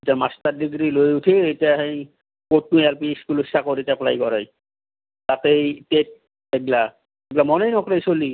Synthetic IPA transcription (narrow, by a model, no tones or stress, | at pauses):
tamast̪adiɡɾilojutʰiejtiaɦẽj | kot̪̚nujalpiskulusakoɾitapla̰jkɔɾaj | t̪at̪ejtet̚ | ɛɡla | ɛɡlamɔnejnɔkɾejsoli